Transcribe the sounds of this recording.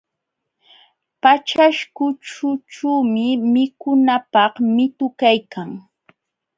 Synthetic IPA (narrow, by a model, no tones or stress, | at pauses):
pat͡ʃaʃkʊʈ͡ʂʊt͡ʃuːmɪmɪkʊnapɑχmɪt̪ʊkajkʰaŋ